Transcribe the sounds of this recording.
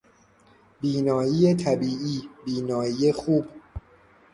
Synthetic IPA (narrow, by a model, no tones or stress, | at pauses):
biːnɒːjiːjet̪ʰæbiːʔiːbiːnɒːjiːjexuːb